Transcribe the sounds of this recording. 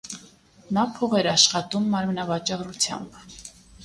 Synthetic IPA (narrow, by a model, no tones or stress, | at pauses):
nɑpʰɔʁɛɾɑʃχɑt̪umːɑɾmnɑvɑt͡ʃɑrut͡sʰjɑ̰mb